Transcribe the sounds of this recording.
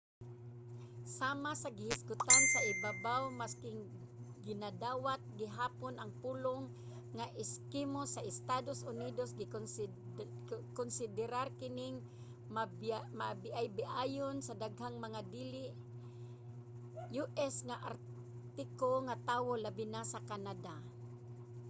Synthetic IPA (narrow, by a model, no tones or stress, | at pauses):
saːmasaɡɪhɪskʊt̪ansaʔɪbabawmaskɪŋ | ɡɪnad̪aːwat̪̚ɡɪɦaːponʔɐŋpuːloŋː | aʔɪskimosaʔɪst̪aːd̪osʊniːd̪osɡɪ | konsɪd̪ɪɾaɾkɪnɪŋ | mamaʔbɪʔajbɪʔaːjonsad̪aɡɦaŋmaŋad̪iːlɪʔ | juʔɛsŋaʔaɾ | t̪ɪkoŋat̪aːwolabɪnasakanad̪a